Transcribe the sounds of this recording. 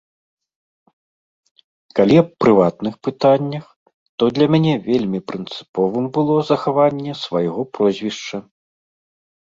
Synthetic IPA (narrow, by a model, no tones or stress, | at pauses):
kalʲiɐppɾɨvat̪nɨxpɨt̪anʲːɐx | t̪ɔd̪lʲɐmʲanʲɛvʲelʲmʲipɾɨnt̪sɨ̥pɔvɨmbɨlˠɔzɐxavanʲːɛsvajɣɔpɾɔzʲvʲiʂt͡ʂɐ